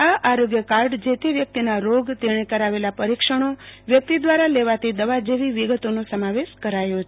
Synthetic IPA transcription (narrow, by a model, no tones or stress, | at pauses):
aʔaɾoɡjəkaɾɖd͡ʒet̪eʋjək̚t̪inaɾoɡt̪eɽ̃ekəɾaʋelapəɾikʃəɽ̃oʋjək̚t̪id̪ʋaɾaleʋat̪ʰid̪əʋad͡ʒeʋiʋiɡət̪onosəmaʋeʃkəɾajot͡ʃʰe